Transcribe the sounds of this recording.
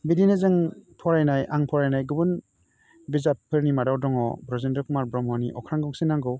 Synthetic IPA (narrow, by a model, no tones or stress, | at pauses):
bidinɯzɯŋpʰɔɾajnajʔaŋpʰɔɾajnajɡɯbɯn | bizapʰːɯɾnimadawdɔŋɔbɾɔzendɔkumaɾbɾɔmɔniʔɔ̰kʰɾaŋɡɔŋsɯnaŋɡɯw